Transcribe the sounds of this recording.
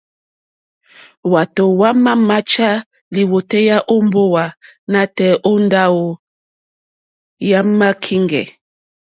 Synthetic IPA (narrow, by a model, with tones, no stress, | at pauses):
wa˨to˨wa˦ma˦ma˦t͡ʃa˦ | li˨wo˨tɛ˦ja˦ʔo˦mbo˦wa˨na˦tɛ˦ʔo˦nda˦wo˨ | ja˦ma˦kʰi˦ŋɡɛ̰˨